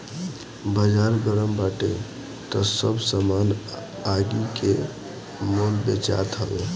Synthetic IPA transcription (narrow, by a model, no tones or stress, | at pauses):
bəd͡ʒaːɾɡəɾəmbaːʈe | t̪ɔsəbsəman | aɡike | molbet͡ʃa̰ːt̪ɦəʋe